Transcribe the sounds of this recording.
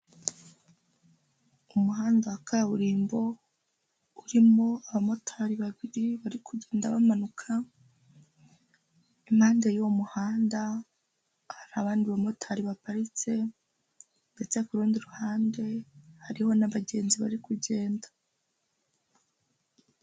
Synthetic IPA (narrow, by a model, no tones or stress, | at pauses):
umuɦaːndakʰaaβuɾiːmbo̞ | uɾimoaβamo̞tʰaɾiβaβiɾiβaɾikʰuɟe̞ːndaβamanukʰa | im̥haːndejomuhaːnda | haɾaβaːndiβamo̞tʰaɾiβapaɾit͡se̞ | ndet͡se̞kuɾuːndiɾuhaːnde̞haɾiho̞naβaɟe̞ːnziβa̰ɾikuɟe̞ːnda